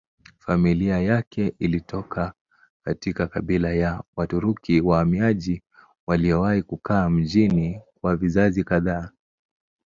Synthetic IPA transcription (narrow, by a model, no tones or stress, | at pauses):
familiajakɛʔilitʰɔkʰa | katikakaɓilajawatuɾukʰiwahamiaʄi | waliɔwahikukaːm̩ʄinikwavizazikaðaː